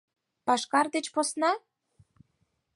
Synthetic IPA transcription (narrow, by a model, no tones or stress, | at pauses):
pɑʃkɑrd̪et͡ɕposnɑ